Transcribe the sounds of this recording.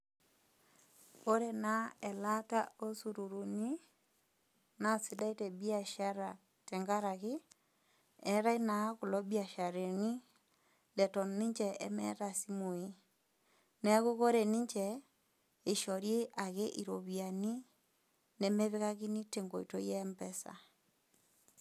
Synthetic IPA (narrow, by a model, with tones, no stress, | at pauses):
ko˦ɾe˨na˦ɛ˨la˦ta˦o˦su˨ɾu˨ɾu˨ni˦ | na˨si˦da˦i˦te˨bi˦a˨ʃa˦ɾa˨ | tɛ˨ŋɡa˦ɾa˨ɣɪ˦ | ɛ˨˦ɾa˦i˦na˨˦ku˨lɔ˦bia˨ʃa˨ɾe˨ni˦ | lɛ˨tɔ˨ni˦ɲt͡ʃɛ˨ḛ˦mɛ̰˦ta˨si˦mo˨i˦ | nɛ˦ɣu˦ko˦ɾe˨ni˦ɲt͡ʃɛ˨ | e˨ʃɔ˨ɾje˦ʔa˨ɣe˦ʔi˨ɾo˨βia˨ni˦ | nɛ˨mɛ˦βɪ˦ɣa˦ki˦ni˦te˨ŋɡo˨i˨to˦jɛ˦mbɛ˦sa̰˨